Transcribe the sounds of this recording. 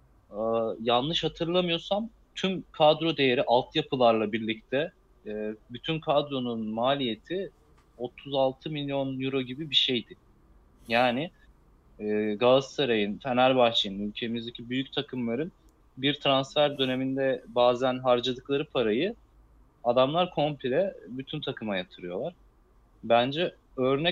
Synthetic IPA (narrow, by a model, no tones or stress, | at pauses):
janlˠɯʃhat̪ʰɯɾlˠamɯjo̞sam | t̪ʰymkʰad̪ɾo̞d̪e̞jeɾiʔalˠt̪ʰɯjapʰɯlˠaɾlˠabiɾlʲic̚t̪ʰɛ | byt̪ʰynkʰad̪ɾo̞nunmaːlʲije̞t̪ʰi | o̞t̪ʰuzalˠt̪ʰɯmilʲjo̞njuɾo̞ɟibibiʃe̞jd̪ɪ | jaːnɪ | ɛːɡalˠast̪ʰaɾajinfʰenæɾbaxt͡ʃʰijɯnylʲcʰe̞mizd̪ecʰibyjyc̚t̪ʰakʰɯmlˠaɾɯn | biɾt̪ʰɾansfæɾd̪ø̞ne̞mind̪ɛbaːzænɦaɾd͡ʒad̪ɯklˠaɾɯpʰaɾajɯ | ad̪amlˠaɾkʰo̞mpʰilʲɛbyt̪ʰynt̪ʰakʰɯmajat̪ʰɯɾɯjo̞lˠaɾ̥ | bænd͡ʒɛ | ø̞ɾnɛ